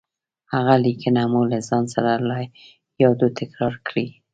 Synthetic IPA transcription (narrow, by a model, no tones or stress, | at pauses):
haɣalikənamulazɑnsaɾalɑj | jɑd̪ot̪ɪkɾɑɾkɽi